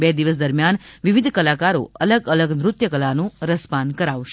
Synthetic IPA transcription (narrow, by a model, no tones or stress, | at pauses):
bɛd̪iʋəs̬d̪əɾmjanʋiʋid̪ʱkəlakaɾo̰ələɡələɡnɾʊt̪jəkəlanũɾəspankəɾaʋʃe̥